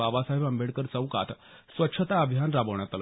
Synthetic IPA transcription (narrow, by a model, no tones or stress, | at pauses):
aʋasaɦebəmbeɽkəɾt͡səwka̰t̪ | sʋətːɕʰət̪aəbʱjanɾabəʋɳ̃at̪l